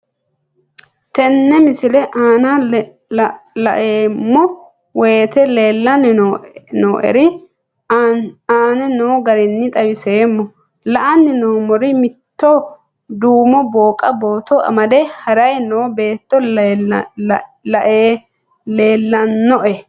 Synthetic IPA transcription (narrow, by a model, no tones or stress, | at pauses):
t̪ɛnːɛmɪsɪlɛʔaːna | lɐ̰ʔeːmːɔ | wet̪ɛleːlːɐn | noːʔɛ̰ɾɪ | aːnɛnoːɡɐɾɪnːɪt̪ʼɐwɪseːmːɔ | lɐʔɐnːɪnoːmɔɾɪmɪt̪ːɔ | d̪uːmɔbo̞ːkʼɐbo̞ːt̪ɔɐ̰mɐd̪ɛhɐɾɐjnoːbe̞ːt̪ːɔ | lɐʔeː | le̞ːlːɐnːɔʔɛ